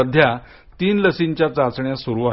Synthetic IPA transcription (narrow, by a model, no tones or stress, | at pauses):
əd̪ʱja | t̪iːnləsint͡ɕjat͡sat͡sɳjasuɾuʋa